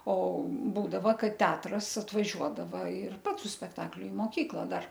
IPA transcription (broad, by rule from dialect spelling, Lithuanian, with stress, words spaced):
oː ˈbuːdɐʋɐ ˈkɐt ˈtʲɛɐtrɐs ɐtʋɐˈʒʲuɔdɐʋɐ ɪr ˈpɐts sʊ sʲpʲɛkˈtɑːklʲʊ ɪ moːˈkʲiːklˠɐ ˈdɐr